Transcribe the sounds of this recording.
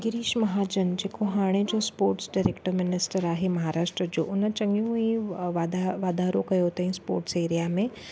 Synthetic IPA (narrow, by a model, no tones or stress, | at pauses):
ɡɪɾiːʃmɐɦaːd͡ʒənd͡ʒeːkoɦaːɽ̃ed͡ʒospoːɾʈsɖaːɾekʈəɾmɪnɪsʈəɾaːɦemɐɦaːɾaːʃʈɾəd͡ʒo̰ːʔʊnət͡ʃɐŋɡjũĩʋad̪aʋaːd̪aːɾõkɐjoːt̪ːɦĩspo̰ːɾʈseːɾijamẽ